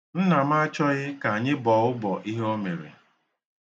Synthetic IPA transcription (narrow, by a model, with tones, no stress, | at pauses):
n̩˦na˨m̩˦a˦t͡ʃɔ˦ɣɪ˦ka˨a˨ɲɪ˦bɔ˨ʊ˦bɔ˨ʔi˦ɦo˦me˨ɾḛ˨